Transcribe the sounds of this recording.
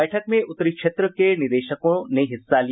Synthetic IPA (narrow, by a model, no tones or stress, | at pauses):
əjʈʰəkmẽʔʊt̪ːəɾikʃeːt̪ɾəkenɪd̪eːʃəkõneɦɪsːali